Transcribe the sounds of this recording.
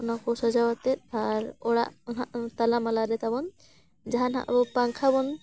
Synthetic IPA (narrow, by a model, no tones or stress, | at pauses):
ɔnakɔsad͡ʒawat̪ɛt̪̚aɾɔɽa̰ʔɔnɦaʔt̪alamalaɾɛt̪abɔn | d͡ʒaɦanɦa̰ʔbɔpaŋkʰabɔn